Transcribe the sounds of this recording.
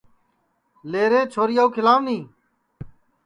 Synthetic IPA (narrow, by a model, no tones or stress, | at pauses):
leːɾeːt͡ʃʰoːɾijaːuːkʰɪlaːmnĩː